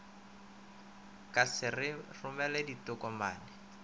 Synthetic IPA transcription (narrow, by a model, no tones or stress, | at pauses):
kʼasɪrɪrʊmɛlɛditʊkʼɔma̰ːnɪ